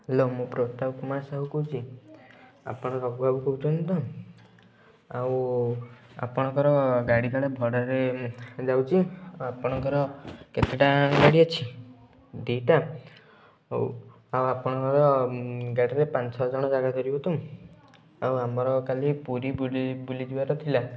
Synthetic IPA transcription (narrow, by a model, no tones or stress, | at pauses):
ɦelomũpɾot̪abkumasaɦukud͡ʒi | a̰pɔɽ̃ɔɾɔɡuabukout͡ʃʰɔnt̪ɔ | aw | a̰pɔɽ̃ɔkɔɾɔɡaɽiɡ̪aɭebʱɔɽɔɾed͡ʒawt͡ʃʰiawapɔɽ̃ɔkɔɾɔket̪eʈaɡaɽiɔt͡ʃʰi | d̪iʈa | awapɔɽ̃ɔŋkɔɾɔɡaɽiɾepant͡ʃʰɔd͡ʒɔɽ̃ɔd͡ʒaɡad̪ʱɔɾibɔt̪u | awamɔɾɔkalipuɾibbulid̪ibaɾɔt̪ʰila